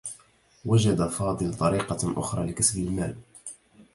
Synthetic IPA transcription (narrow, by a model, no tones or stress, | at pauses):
wad͡ʒad̪afɑːd̪ˤɨlt̪ˤɑɾiːqɑʔʊ̰xɾˤɑ̰ːlɪkasbɪlmaːl